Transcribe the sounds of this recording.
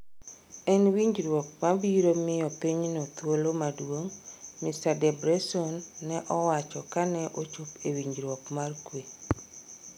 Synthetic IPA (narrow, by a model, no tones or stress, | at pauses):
ɛnwiɲd͡ʒɾwɔk̚mabiɾomɪjɔpiɲnɔt̪wolomadwoŋmistadɛbɾɛsɔnːɛʔɔwat͡ʃɔkanɛʔot͡ʃopewiɲd͡ʒɾwɔkmarkwe